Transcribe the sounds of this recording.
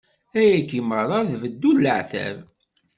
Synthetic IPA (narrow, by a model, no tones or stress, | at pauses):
æjækiməɾˤɑðvəd̪ːulːəʕθæ̰ɾ